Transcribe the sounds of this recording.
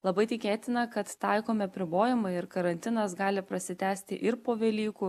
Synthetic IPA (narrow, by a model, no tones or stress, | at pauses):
lˠɐbɐɪt̪ʲɪkʲeːt̪ʲɪnɐkɐt̪t̪ɑɪkoːmʲɪɐpʲɾʲɪboːjɪmɐɪɪɾkɐɾɐnʲt̪ʲɪnɐsɡɑːlʲɪpɾɐsʲɪt̪ʲæːsʲt̪ʲɪ̰ʔɪɾpoːʋʲɛlʲiːkuː